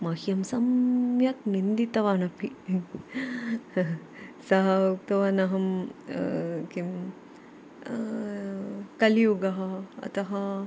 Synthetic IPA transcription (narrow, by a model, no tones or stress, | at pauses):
mɐhjɐmsɐmjɐknind̪it̪ɐʋaːnɐpi | sɐɦɐuk̚t̪ɐʋɐːnɐɦɐm | kim | kɐliuɡɐɦɐɐ̰t̪ɐɦɐ